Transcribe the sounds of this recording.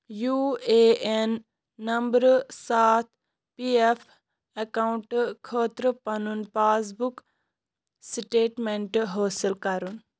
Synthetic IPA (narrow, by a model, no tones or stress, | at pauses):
juːeːenː | ɐmbɾsaːt̪ʰ | piefʰ | ekauɳʈkʰəːt̪ɾəpɐnunpaːs̬buk | sʈeːʈmeɳʈɦoːsilkɐɾun